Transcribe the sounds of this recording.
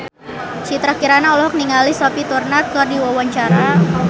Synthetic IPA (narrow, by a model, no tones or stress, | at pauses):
t͡ʃit̪ɾakiɾanaɔlɔɦɔk̚niŋalisɔpit̪urnat̪̚kɔrdiwawaɲt͡ʃaɾa